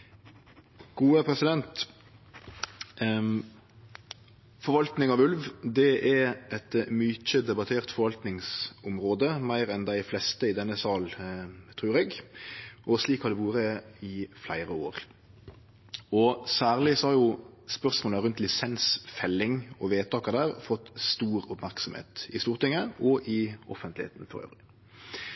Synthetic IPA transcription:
ɡ̥uːəpʰɾɛsɪd̪ɛnt̪ | fɔɾʋɑlt̪nɪŋɑʋʉlʋd̪ɛʔɛɛt̪myc͡çəd̪ɛbɑt̪ʰeːʁt̪fɔɾʋɑlt̪nɪŋsʊmɾoːd̪əmæɪɾɛnd̪æɪflɛst̪əɪd̪ɛnːəsɑːlt̪ʰɾʉːɾeːɡ | ʔɔsliːkhɑɾd̪ɛʋuːɾəɪflæ̰ɪɾəoːɾ | ɔsæːʁlɪsɔhɑɾjʊ | spœʁsmoːləɾʉnt̪lɪsɛnsfɛlːɪŋɔʋeːt̪ʰɑːkəd̪æːʁfɔt̪ːst̪uːɾʊpmæʁksɔmhḛːt̪ɪst̪uːʁt̪ɪŋːəʔɔʔɪɔfənt̪lɪhḛːt̪nfɔɾø̰ːʋɾɪ

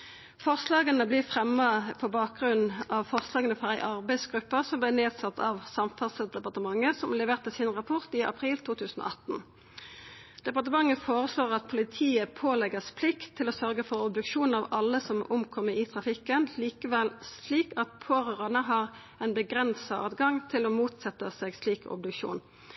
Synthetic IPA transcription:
fɔʁslɑːɡənəblɪfʁɛmːɑpʰɔbɑːk̚ɡʁʉnːɑʋfɔʁslɑːɡənəfɔʁæɪʔɑʁbæɪsɡʁʉpːəsɔmblɪneːd̪sɑt̪ʰːɑ̰ʋsɑmfɑsəl̚d̪ɛpɑʁt̪əmɑŋːəsɔmlɛʋeːʁt̪ɛsɪnʁɑpʰɔʁt̪iʔɑ̰pʰʁiːlt̪ʰuːt̪ʰʉːsn̩o̰ɑt̪n̩ | d̪̥ɛpɑʁt̪əmɑŋːəfoːʁəsloːʁɑt̪̚pʰʊlɪt̪ʰiːəpʰoːlɛɡəspʰlɪkt̪ʰːɪloːsœʁɡəfɔʁɔbd̪ʉkʃuːn̩ɑʋɑlːəsɔmʊmkʰɔmːəɪt̪ʰʁɑfɪkːənliːkəʋɛlsliːkɑt̪̚pʰoːʁøːʁɑnəɦɑʁ | ɛɪnbəɡʁɛnsɑɑ̰ːd̪ɡɑŋt̪ʰɪloːmuːt̪sɛt̪ːəseːɡsliːkɔ̰bd̪ʉkʃṵːn

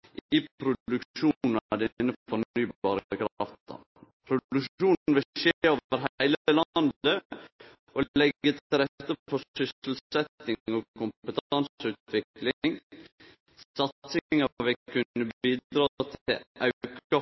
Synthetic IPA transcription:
ʔɪpʰɾʊd̪ʉkʃuːnnd̪ɛnəfɔɾnyːbɑːɾəəkʰɾɑft̪ɑ̰ | pʰɾʊd̪ʉʃuːnnʋɪʃeoːʋʋəɾɦæɪləlɑnd̪ə | ʔoɛɡːət̪ɾɛt̪ːəpɔɾsʏsəl̩sɛt̪nɪɔkʰʊmpət̪ʰɑnsʉːt̪ʋɪklɪŋ | sɑt̪sɪŋɑʋɛkʰʉnːəbiːd̪ɾɑːt̪ʰɪlʔɑʉkɑ

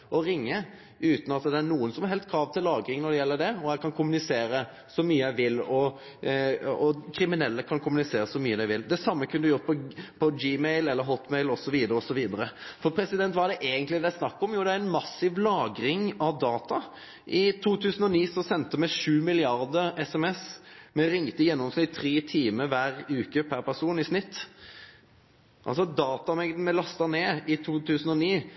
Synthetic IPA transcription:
ɔɾɪŋːə | ʉːt̪nɑt̪d̪ɛæɾnuːənsɔmæɾɦɛlst̪kʰɾɑːʋt̪ʰɪllːɑːɡɾɪŋnɔɾd̪ɛjɛlːəɖ̪ɛɔæɪkʰɑnkʰʊmʉnɪseːɾə | sɔmyːəæɪʋɪlːɔ | ɔkʰɾɪmɪnɛlːəkʰɑnkʰʊmʉnɪseːɾəsɔmyːəd̪æɪʋɪld̪ɛsɑmːəkʰʉnd̪jʊɾt̪̚pʰɔpʰɔd͡ʒiːmɛɪlɛlːəɾɦɔt̪ːmɛɪlɔsɔʋiːd̪əɾəɔsɔʋiːd̪əɾəfɔpʰɾɛsɪd̪ɛnt̪ʋɑɾd̪ɛʔeːɡənt̪lɪd̪æɪsnɑkːɔmjuːd̪ɛæɾɛnmɑsɪʋlɑːɡɾɪŋɑʋd̪ɑːt̪ɑ | ʔɪt̪ʰuːt̪ʰʉːsən̩ɔniːsɔsɛnt̪əmɛʂʉːmɪlɪɑɾd̪əɾɛsɛmɛsmɛɾɪŋt̪əjɛnːɔmsnɪt̪ːʰɾeːt̪ʰiːməʋæːɾʉːkəpʰæɾpʰæʁsuːnɪsnɪt̪ː | ʔɑ̰ls̬ɔd̪ɑːt̪ɑmɛɡd̪̩mɛlɑst̪ɑneːɪt̪ʰuːt̪ʰʉːsən̩ɔniː

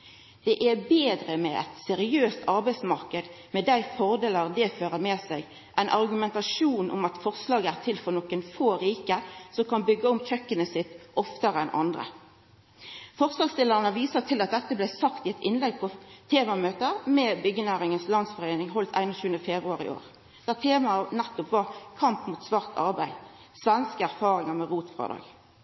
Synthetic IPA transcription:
d̪̥ɛʔæbeːd̪ɾəmɛʔɛ̰t̪sɛɾɪøːst̪ʰɑɾbæɪsmɑʁkəd̪ | mɛd̪æɪfɔʁd̪eːləʁd̪ɛføːɾəmɛːsæɪɡ | ʔæɪnʔɑʁɡʉmɛnt̪ɑʃuːnʔʊ̰mɑt̪fɔʁslɑːɡəæʁt̪ʰɪlfɔʁnɔkənfoːɾiːkəsɔmkɑnbʏɡːəʊmçœkːənəsɪt̪ːʔɔft̪əɾɛnʔɑ̰nd̪ʁə̰ | fɔʁslɑːɡst̪ɪləʁənəʋiːsət̪ʰɪlɑt̪̚d̪ɛt̪ːəblæɪsɑkt̪ɪɛt̪ɪnlɛɡpʰɔt̪ʰeːmɑmøːt̪əɾmɛbʏɡːənæːɾɪŋənslɑnsfɔʁeɪnɪŋɦɔlt̪ʰæ̰ɪnɔɕʉːənəfɛbɾʊɑʁɪ̰o̰ːʁ | d̪̥ɛæʁt̪ʰeːmɑnɛt̪ːɔpʋɑʁkʰɑmpmuːt̪sʋɑːʁt̪ʰɑ̰ʁbæɪ | sʋɛnskəæʁfɑːʁɪŋəʁmɛʁuːt̪fʁɑ̰ːd̪ɑ̰ːɡ

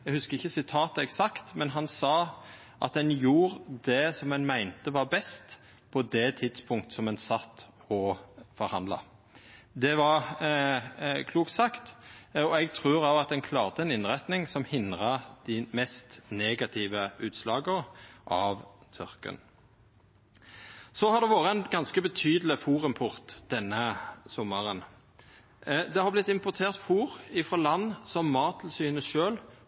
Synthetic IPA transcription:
ɛɡhʉskəɾɪçːəsɪt̪ʰɑːt̪əɛksɑkt̪mɛnɦɑnsɑː | ʔɑ̰t̪̚d̪ɛnjuːʁd̪ɛsɔmɛnmæɪnt̪əʋɑːɾbɛst̪ | pʰɔd̪ɛt̪ʰɪd̪spʰʊŋkt̪əsɔmɛnsɑt̪ːɔfɔɾhɑnd̪lɑ̰ | d̪ɛʋɑʁ | kʰluːkt̪sɑkt̪ɔɛɡ̚t̪ʰʁʉːɾɑʋɑt̪̚d̪ɛnkʰlɑːʁt̪əɛnɪnʁɛt̪nɪŋsɔmhɪnd̪ʁɑd̪̥ɪmɛst̪neːɡɑt̪ʰɪːʋəʉːt̪slɑːɡəʁʔɑʋt̪ʰʏʁkə̰n | sɔhɑd̪ɛʋoːʁəɛnɡɑnskəbət̪ʰyːd̪əlɪfuːʁɪmpʰʊʁt̪d̪̥ɛnːəsʊmːəʁən | d̪ɛhɑʁblɪt̪ɪmpʊʁt̪ʰeːʁt̪fuːʁɪfʁɔlɑnːsɔmːɑːt̪ʰl̩syːnəʃøːl

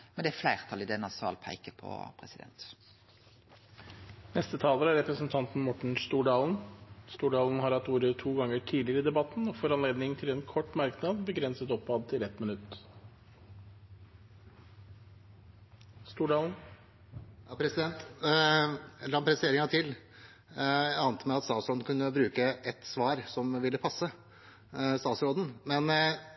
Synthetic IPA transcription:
mɛnd̪ɛæɾflæɪʁt̪ʰɑlɪd̪ɛnɑsɑ̰lpʰæ̰ɪkəpʰɔ̰pʰɾɛsɪd̪ɛ̰nt̪ | nɛst̪ət̪ʰɑːləɾæɾɛpɾəsn̩t̪ʰɑnt̪n̩mɔʈɳ̩st̪uːɖɑːln̩st̪uːɖɑːln̩hɑɾhɑt̪ːuːɾət̪ʰuːɡɑŋːəʈʰiːlɪəɾəɪd̪ɛbɑt̪n̩ɔfɔɾɑnleːd̪nɪŋt̪ʰɪlɛːnkʰɔʈːmɑɾknɑd̪bəɡɾɛnsət̪ɔpːɑd̪̚t̪ʰɪlɛt̪mɪnʉt̪ː | st̪uːɖɑːln̩ | jɑpʰɾɛsɪd̪ɛnt̪ | lɑːmpʰɾɛst̪eːɾɪŋɑt̪ʰɪl | ɑnt̪əmæɪɑt̪st̪ɑːt̪sɾɔːnkʰʉnːəbɾʉːkəʔɛt̪sʋɑːɾsɔmʋɪlːəpʰɑsːə | st̪ɑːt̪sɾoːd̪n̩mɛn

